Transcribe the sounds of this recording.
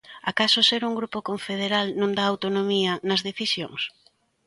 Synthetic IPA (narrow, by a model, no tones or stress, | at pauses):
akasʊseɾuŋɡɾupokoɱfeð̞eɾalnõnd̪aːwt̪onomiɐnɐzðeθisjo̰ŋs